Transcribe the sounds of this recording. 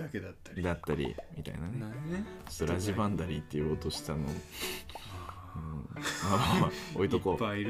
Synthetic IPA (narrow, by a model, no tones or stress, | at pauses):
aked̪at̪ːad̪at̪ːaɾʲḭmʲit̪a̰ḭnan | soɾaʑibãnd̪aɾʲit̪ːe̞jɯ̟ot̪oɕi̥t̪ano | ɯ̟̃maao̰it̪okoai